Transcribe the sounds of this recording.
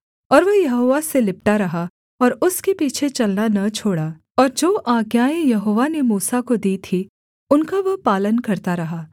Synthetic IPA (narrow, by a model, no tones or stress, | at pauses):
ɔːɾʋɐjɐɦoːʋaselɪp̚ʈaɾɐɦa | ɔːɾʊskepiːt͡ʃʰet͡ʃɐlnanɐt͡ʃʰoːɽaː | ɔːɾd͡ʒoːʔaːɡjaːejɐɦoːʋanemuːsakod̪iːt̪ʰi | ʊnkaʋɐɦpaːlənkɐɾt̪aɾɐɦaː